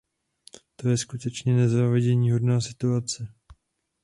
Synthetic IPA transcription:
t̪o̞jɛskut̪ɛt͡ʃɲɛnɛzaːvɛɟɛɲiːɦo̞dnaːsɪt̪uat͡sɛ

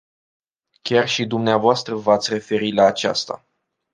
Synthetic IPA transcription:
kʲarʃid̪umneavoast̪ɾəvat̪sʲre̞fe̞ɾilaːt͡ʃa̰st̪a̰

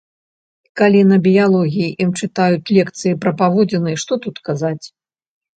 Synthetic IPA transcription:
kalʲinɐbʲijalˠɔɣʲijiʔimt͡ʂɨt̪ajut͡sʲlʲɛkt̪sɨjipɾɐpavɔd͡zʲɛnɨjɛʂt̪ɔt̪ut̪kazat͡sʲ

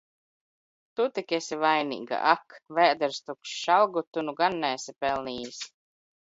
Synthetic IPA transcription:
t̪ut̪ikʲɛsivajnḭːɡa̰ʔakvæːd̪ɛɾst̪ukʃʃalˠɡut̪unuɡanːɛsʲipɛlˠniːis

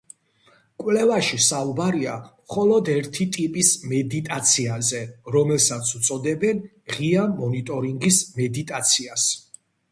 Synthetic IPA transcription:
kʼwlɛvaʃisaubaɾiamχɔlɔd̪ɛɾt̪ʰit̪ʼipʼismɛd̪it̪ʼat̪sʰiazɛɾɔmɛlsat̪sʰut̪sʼɔd̪ɛbɛn | ʁiamɔnit̪ʼɔɾiŋɡismɛd̪it̪ʼat̪sʰias

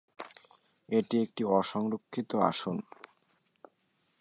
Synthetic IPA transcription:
eʈiek̚ʈiɔʃɔŋɾokʰːit̪oa̰ʃon

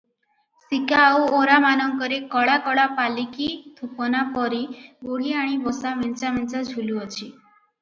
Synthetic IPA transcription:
sikauoɾamanɔŋkɔɾekɔɽakɔɽapalikit̪ʰupɔnapɔɾiboliaɽ̃ibɔsament͡ʃamɛnt͡ʃad͡ʒʱuluɔt͡ʃʰi

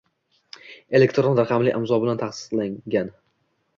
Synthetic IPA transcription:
e̞le̞kt̪ɾonɾaqɑmlɪʔɪmzɒbɪlant̪ʰaχsɪ̥d̪laŋɡʲan

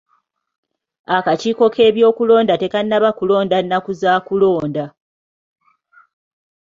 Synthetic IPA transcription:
akaciːko̞kʰe̞ːβjo̞ːkulo̞ːndate̞kanːaβakulo̞ːndanːakuzaːkulo̞ːnda

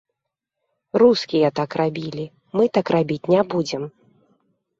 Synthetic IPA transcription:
ruskʲijɐt̪akrabʲilʲi | mɨt̪akrabʲit͡sʲnʲabud͡zʲɛm

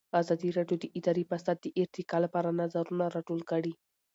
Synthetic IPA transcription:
azɑd̪iɾɑɖjod̪əʔɪd̪ɑɾipasad̪̚ːəʔɪɾt̪ɪkɑlapɑɾanazaɾunaɾɑʈolkəɽi

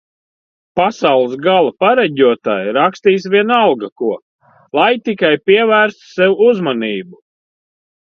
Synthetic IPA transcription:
pasawlˠsɡalˠapaɾɛɟʲuɔt̪aːjɾakst̪iːsvʲiɛnawɡakuɔ | lˠajt̪ikajpiɛvæːɾst̪sɛwuuzmaniːbu

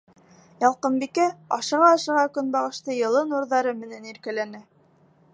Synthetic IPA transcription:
jɑlˠqɤmbikæɑ̰ʃɤ̆ʁɑːʃɤ̆ʁɑkɵnbɑʁɤ̆ʃt̪ɤjɤ̆lˠɤnuɾðɑɾɤmɘ̆næniɾkælænɘ

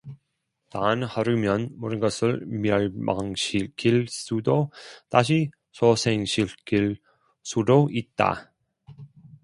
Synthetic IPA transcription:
tanhaɾɯmjʌnmʌɾɯnɡʌsʰɯɭmjʌɭma̰ŋɕʰiɭk͈iɭs͈udotaɕʰi | sʰosʰeŋɕʰiɭkiɭ | s͈ʰudoit̚t͈a̰

